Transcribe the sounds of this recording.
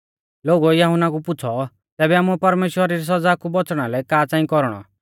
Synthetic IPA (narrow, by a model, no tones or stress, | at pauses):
loːɡuɛjɐɦʊnakupʊt͡sʰɔ | t̪ɛːbɛaːmũɛpɐɾmeːʃwəɾiɾis̬ɐd͡zaːkubɔt͡sɽ̃alɛkaːt͡sãːĩkɔɾɽ̃ɔ̰